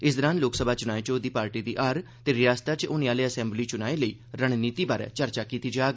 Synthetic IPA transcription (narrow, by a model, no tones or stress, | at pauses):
ɪsd̪əɾaːnloːksəbʱaːt͡ʃʊñaːet͡ʃoːd̪iːpaːɾʈiːd̪iːʔaːɾt̪eːɾɪjaːst̪aːt͡ʃʊniːaːleːəsɛ̃ːmbliːt͡ʃʊnaːeləiːɾəɽ̃niːt̪iːbaːɾɛ̰ːt͡ʃəɾt͡ʃaːkiːt̪iːd͡ʒaːɡ